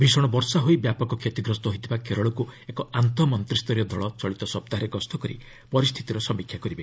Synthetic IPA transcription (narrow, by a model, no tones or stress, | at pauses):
bʱisɔɽ̃ɔbɔɾsaɦojbjapɔkɔkʰjet̪iɡɾɔst̪ɔɦojt̪ʰibakeɾɔɭɔkuekɔant̪ɔmɔnt̪ɾist̪ɔɾjɔd̪ʱɔɭɔt͡ʃɔɭit̪ɔsɔp̚t̪aɦɾeɡɔst̪ʰɔkɔɾḭ | pɔɾist̪ʰi̥t̪iɾɔsɔmikʰjakɔɾibe